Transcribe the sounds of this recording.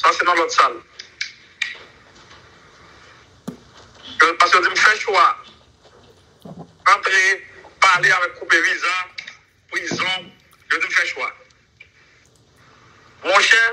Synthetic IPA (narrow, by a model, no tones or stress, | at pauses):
sasenãlɔt̪sal | opaskəod͡zim̩fɛʃwa | ãt̪ʁepaleavɛkkːupeviza | pizɔ̃ | ʒod͡zim̩fɛʃwa | mɔ̃ʃɛ